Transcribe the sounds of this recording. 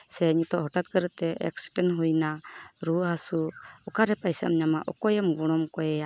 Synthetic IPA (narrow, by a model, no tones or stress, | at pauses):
sɛɲit̪ɔʔɦɔʈat̪̚kəɾət̪ɛɛ̰ksʈɛnɦujnaɾuɦasuɔkaɾɛpajsa̰mɲamaʔɔkɔjɛmɡɔɽ̃ɔmkɔjɛja